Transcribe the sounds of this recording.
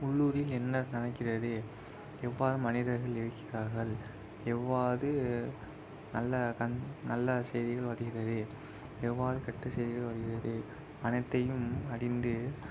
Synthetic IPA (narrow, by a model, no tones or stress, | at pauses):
ʊɭːuːɾɪlɛnːɐɾnɪnɐkːɪrɐðɯ | ɛʋːaːðɯmɐnɪðɐɾɣɐɭɪɻɯkːɪraːɾɣɐɭ | ɛʋːaːɐðɯ | nɐlːɐkɐnnɐlːɐsɛjðɪɣɐɭʋɐðɯɣɪrɐðɯ | ɛʋːaːðɯkɐʈːɐsɐjðɪɣɐɭʋɐðɯɣɪrɐðɯ | ɐnɐɪt̪ːɐjɯmɐɽɪnd̪ɯ